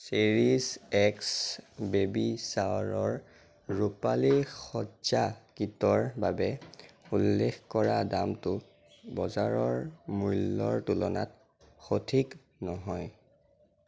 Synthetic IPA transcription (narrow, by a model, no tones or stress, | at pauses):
siɹisɛksbebisaɹɔɹ | ɹupalixɔzakitɔɹbabɛulːexkɔɹadamtʊ | bɔzaɹɔɹmujlːɔɹtulɔna̰t | xotʰik | nɔɦɔj